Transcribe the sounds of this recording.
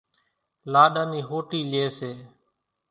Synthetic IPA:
laːɗaːniːɦoːʈiːleːseː

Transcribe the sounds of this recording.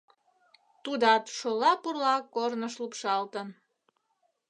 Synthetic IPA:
t̪ud̪ɑt̪ʃolɑpurlɑkornəʃlupʃɑlt̪ən

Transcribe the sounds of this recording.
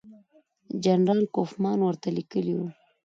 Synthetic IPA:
d͡ʒanɾɑlkofmɑnwəɾt̪alikəliwu

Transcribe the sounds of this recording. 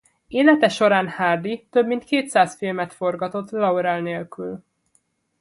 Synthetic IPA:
eːlɛt̪ɛʃo̞ɾaːnhaːrd̪it̪øbmint̪keːt̪saːsfilmɛt̪fo̞rɡɒt̪o̞t̪ːlɒuɾɛlneːlkyl

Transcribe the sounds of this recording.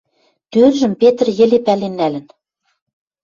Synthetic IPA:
t̪ørʒɘ̆mpet̪ə̆rjɘ̆lepælenːælɘ̆n

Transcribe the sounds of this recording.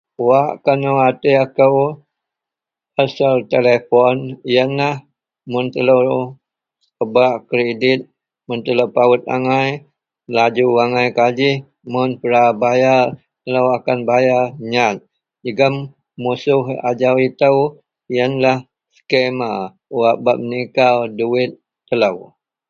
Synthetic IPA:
waʔkanoat̪eakəw | asalt̪elefɔnjənlah | mʊnt̪ələw | əbaʔkɾedɪt̪̚ | mʊnt̪ələwpawət̪̚a̰ŋaj | lad͡ʒuaŋajkad͡ʒɪh | mʊnpəɾabajar | t̪ələwakanbajaɲat̪̚ | d͡ʒəɡəmː | usʊɦa̰d͡ʒawit̪əw | ijənlah | sə̥kema | uaʔbaʔ̚mənikaduɪt̪̚ːələw

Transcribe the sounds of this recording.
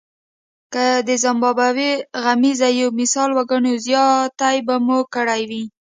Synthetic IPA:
kəd̪əzambɑbawiɣamizajomɪsɑlwaɡəɳozjɑt̪ajbamukəɽajwi

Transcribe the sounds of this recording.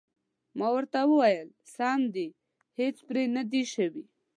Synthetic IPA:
mawəɾt̪awəwajəl | sɑmd̪i | het͡spɾenad̪iʃəwi

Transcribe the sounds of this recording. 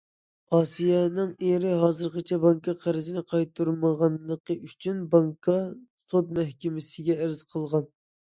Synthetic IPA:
ɑːsijɛnɪŋeɾɪɦɑːzɨɾʁɑt͡ʃʰɛbɑŋkʰɑqʰæɾɪzɪnɪqʰɑjt̪ʰːuɾməʁɑnlˠəqəyt͡ʃʰynbɑŋkʰɑsot̪mɛhkʲɪmɪsɪɡʲɛæɾzqʰəlˠʁɑn

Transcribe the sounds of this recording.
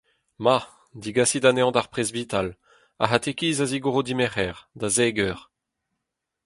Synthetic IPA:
ma | d̪iɡasid̪aneɑ̃d̪aʁpχezvit̪al | a̰ɦat̪ekiːzaziɡoʁod̪imɛʁɛːʁd̪azɛːɡœːʁ

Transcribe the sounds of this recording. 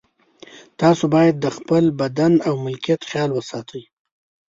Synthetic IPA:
t̪ɑsobɑjad̪ːəxpəlbad̪anawmʊlkijat̪xjɑlwəsɑt̪ʰəj

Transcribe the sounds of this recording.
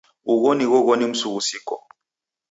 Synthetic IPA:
uɣoniɣɔɣonim̩sukusikɔ̰

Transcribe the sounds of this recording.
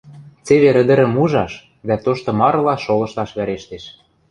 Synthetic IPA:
t͡seβeɾə̆d̪ə̆ɾə̆muʒɑʃ | d̪æt̪oʃt̪ŏmɑɾlɑʃolɤ̆ʃlɑʃβæɾeʃt̪eʃ

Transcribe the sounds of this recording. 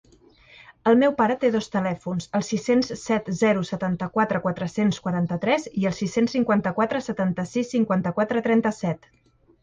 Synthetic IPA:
əlˠmewpaɾət̪eðɔst̪əlɛfunzəlˠsisenssɛt̪zɛɾusət̪ant̪əkwat̪ɾəkwat̪ɾəsenskwəɾant̪ət̪ɾɛziəlˠsisensːiŋkwant̪əkwat̪ɾəsət̪ant̪əsisːiŋkwant̪əkwat̪ɾət̪ɾɛnt̪əsɛt̪

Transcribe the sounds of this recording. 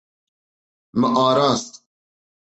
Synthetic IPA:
mɐʔɑːɾɑːst̪

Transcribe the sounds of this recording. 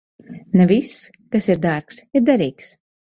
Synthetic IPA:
nɛvisː | kasiɾd̪aɾksiɾd̪aɾiːks

